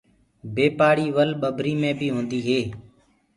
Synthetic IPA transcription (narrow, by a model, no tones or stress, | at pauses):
beːpaːɽiːʋəlɓəbʱɾiːmẽːbʱiːɦõːnd̪iːɦeː